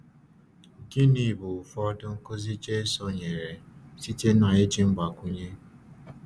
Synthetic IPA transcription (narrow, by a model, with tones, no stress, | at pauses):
ɡi˦ni˨bʊ˨fɔ˦dʊ˦ŋ̩˦ko˦zi˦t͡ʃe˦sɔ˦ɲe˨ɾe˨si˦te˦n˦a˨e˦d͡ʒi˦m̩˦ɡ͡ba˨kʷu˦ɲe˦